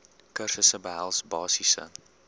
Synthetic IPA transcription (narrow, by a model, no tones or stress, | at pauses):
kərsəsəbəɦælˠsbɑːsisə̰